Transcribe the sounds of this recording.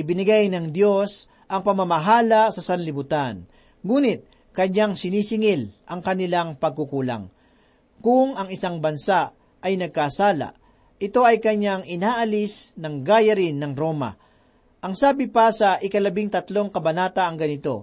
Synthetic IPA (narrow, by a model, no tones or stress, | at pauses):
ɪbɪnɪɡajnɐŋd̪jo̞s | ʔɐŋpɐmamɐɦaːlɐsɐsɐnlɪbʊt̪an | ŋuːnɪt̪̚ | kɐɲaŋsɪniːsɪŋɪlʔɐŋkɐnɪlaŋpɐɡ̚kukuːla̰ŋ | kʊŋɐŋɪsaŋbɐnsa | ɐjnɐɡ̚kasaːla̰ | ʔɪt̪o̞ʔɐjkɐɲaŋɪnaːʔɐlɪsnɐŋɡaːjɐɾɪnːɐŋɾo̞ːmɐ̰ | ʔɐŋsaːbɪpasɐʔɪkɐlɐbɪŋt̪ɐt̪lo̞ŋkɐbɐnaːt̪ɐːŋɡɐnɪt̪o̞̰